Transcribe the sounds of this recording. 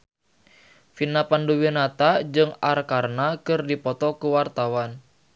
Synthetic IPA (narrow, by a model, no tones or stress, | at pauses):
finapanduwinat̪ad͡ʒɨŋarkarnakərdipɔt̪ɔkuwart̪awan